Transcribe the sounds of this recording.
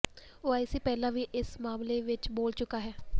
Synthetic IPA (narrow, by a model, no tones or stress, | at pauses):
oːaːɪsiːpɛːlãːʋiːʔɪsmaːmleːʋɪt͡ʃboːlt͡ʃʊkaːɦɛː